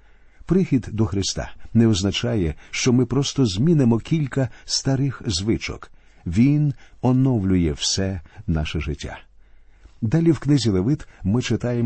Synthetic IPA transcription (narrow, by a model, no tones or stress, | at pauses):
pɾɪxʲid̪ːɔxɾɪst̪ɑ̰nɛɔznɐt͡ʃɑjɛʃt͡ʃɔmɪpɾɔst̪ɔzʲmʲinɪmɔkʲilʲkɐst̪ɐɾɪxzʋɪt͡ʃɔ̰k | ʋʲinɔnɔwlʲʊjɛwsɛnɑʃɛʒɪtʲːa̰ | d̪alʲiwknɪzʲilˠeʋɪt̪mɪt͡ʃɪt̪ɑjem